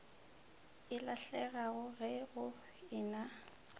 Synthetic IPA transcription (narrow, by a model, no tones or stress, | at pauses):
ɪlaɬɛɣaɣʊɣɛɣʊ | ɪːna